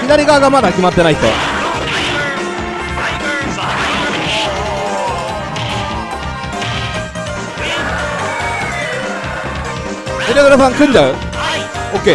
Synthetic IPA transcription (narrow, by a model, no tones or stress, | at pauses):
kʲid̪aɾʲiɡaɡamad̪akʲimat̪ːe̞nait̪ːo̰ | iɾed̪ɯɾesaŋkɯnd͡ʑaɯ | oke